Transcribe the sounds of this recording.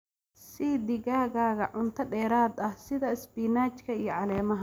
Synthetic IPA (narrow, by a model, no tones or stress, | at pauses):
siːd̪ɪɣaːɣaːɣɐʕʊnt̪ʰɐɖɛːɾaːd̪ɐhsɪðɐɪsbiːnaːt͡ʃkʰɐijɞʕɑlɛːmɐɦɐ